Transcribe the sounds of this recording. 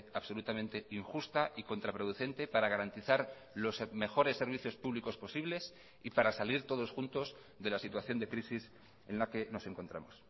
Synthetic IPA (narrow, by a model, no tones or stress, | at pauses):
aβso̞lut̪amẽ̞nt̪e̞iŋxust̪aʔiko̞nt̪ɾapɾo̞ðuθe̞nt̪e̞paɾaɣaɾant̪iθaɾ | lo̞sme̞xo̞ɾe̞sːe̞ɾβiθjo̞spuβliko̞spo̞siβle̞s | ipaɾasaliɾt̪o̞ðo̞sxunt̪o̞z | ðe̞lasit̪waθjo̞nd̪e̞kɾisis | ẽ̞nlake̞no̞se̞ŋko̞nt̪ɾa̰mo̞s